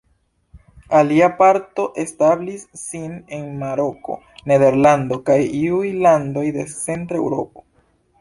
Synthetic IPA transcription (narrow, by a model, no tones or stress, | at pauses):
aliapaɾto̞ʔe̞stablisːine̞nmaɾo̞ko̞̰ | ne̞de̞ɾlando̞kajiujlando̞jde̞t͡se̞ntɾoḛwɾo̞̰po̞̥